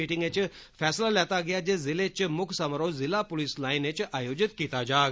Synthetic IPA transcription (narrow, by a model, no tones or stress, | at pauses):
iːʈɪŋɡet͡ʃfʰɛːslalɛːt̪aɡɪjad͡ʒezɪlet͡ʃmʊkʰsɐmɾoːzɪlapʊlislaːɪnet͡ʃaːjoːd͡ʒɪt̪kiːt̪ad͡ʒaːɡ